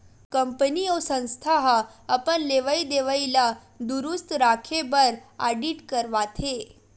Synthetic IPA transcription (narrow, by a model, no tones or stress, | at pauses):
kəmpəniosə̃ñst̪ʰaɦaːpənleʋəid̪eʋaila | d̪uɾust̪ɾakʰebəɾaɖiʈkəɾʋat̪ʰe